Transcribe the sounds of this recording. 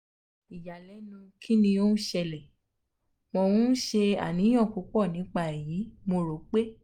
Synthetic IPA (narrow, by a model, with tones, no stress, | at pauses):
i˨ja˨lɛ˨˦nũ˧kʰi˦nĩ˧o˦nu˦ʃɛ˧lɛ˨ | mɔ̃˧wũ˦ʃe˧a̰˨nĩ˨˦j̃ɔ̃˦˨ku˨˦k͡pɔ˦˨nĩ˨˦k͡pa˦˨ji˨˦mo˧ɾo˨˦k͡pe˦